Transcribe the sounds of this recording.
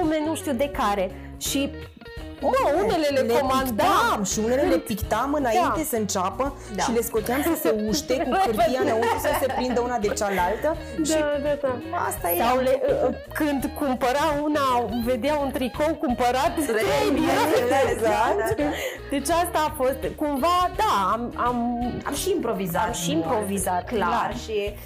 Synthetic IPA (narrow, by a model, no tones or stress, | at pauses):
umenuʃt̪iud̪e̞kaɾe̞ | ʃi | oune̞le̞leleomankd̪amʃiune̞lelepikt̪amɨnaint̪e̞səɨnt͡ʃapə | ʃaile̞sko̞t̪eamsəseuʃt̪e̞kukɨrt̪ijanaunasəse̞pɾind̪əunad̪e̞t͡ʃalalt̪ə | ʃad̪ad̪aa̰st̪ajele | kɨnd̪kumpəɾaunave̞d̪eaunt̪ɾiko̞wkumpəɾat̪sɾeebineeeza | d̪̥e̞t͡ʃast̪aːfo̞st̪kumvad̪aamama̰mʃiːmpɾo̞vizat̪mʃiːmpɾo̞vizat̪klalarʃi